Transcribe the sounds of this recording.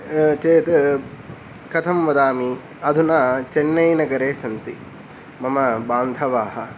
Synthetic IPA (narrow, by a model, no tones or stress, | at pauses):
t͡ʃeːt̪ | kɐt̪ʰɐmʋɐd̪aːmi | ɐd̪ʱunaːt͡ʃenːɐjnɐɡɐɾeːsɐnt̪i | mɐmɐbaːnd̪ʰʱɐʋaːɦɐ